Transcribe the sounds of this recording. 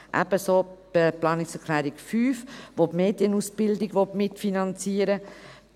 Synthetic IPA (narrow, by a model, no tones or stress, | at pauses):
ʔæ̰b̥əsoːb̥əplɑːnɪksɛʁkʰlæːɾikfyːfʋopmeːdjənusb̥ɪldɪɡʋotmɪtfinɑnt͡siəɾə